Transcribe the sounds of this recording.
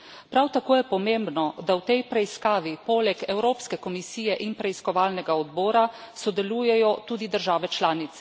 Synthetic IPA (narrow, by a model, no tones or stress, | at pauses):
pɾawt̪akoːjɛpɔmembnɔd̪awt̪ɛjpɾɛiskaːʋipoːlɛkɛwɾoːpskɛkɔmisiːjɛʔinpɾɛiskɔʋaːlnɛɡaɔd̪bɔːɾasɔd̪ɛluːjɛjɔt̪uːd̪id̪əɾʒaːʋɛt͡ʃlaːnit̪sɛ̥